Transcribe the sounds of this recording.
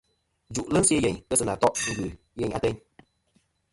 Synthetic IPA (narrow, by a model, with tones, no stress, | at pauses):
d͡ʒu˨ʔlə˦sje˦jɛ˨ɲkə˦sɨ˨na˨tɔ˦ʔsɨ˧ɡʉ˨ | jɛ˨ɲa̰˦tɛ˦ɲ